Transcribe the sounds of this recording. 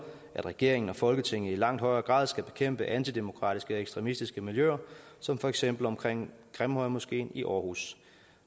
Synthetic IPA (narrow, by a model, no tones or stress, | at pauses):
ʔæd̥ʁɛɡ̥e̝ɐ̰e̝ŋn̩ɒ̽fɒ̽lɡ̥ət͡sʰe̝ŋ̰ð̩ˠilɑ̈ŋ̰d̥hɒ̽ɪɐːɡ̥ʁɑ̰̈ːðˠsɡ̥æb̥e̝kʰem̰b̥əʔænt͡sʰid̥e̝mo̝kʰʁɑ̰̈ːd̥isɡ̥əɒ̽eɡ̥sd̥ʁɛmisd̥isɡ̥əmiljø̰ɐsɒ̽mfɒ̽eɡ̥sem̰b̥l̩ɒ̽mkʰʁeŋ̰ɡ̥ʁɛmhɒɪmosɡ̥e̝̰ːniʔɒːhṵs